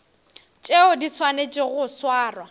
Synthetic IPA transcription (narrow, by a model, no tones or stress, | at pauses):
t͡ʃʼeʊdit͡sʰwanet͡ʃʼɪɣʊswaːrwa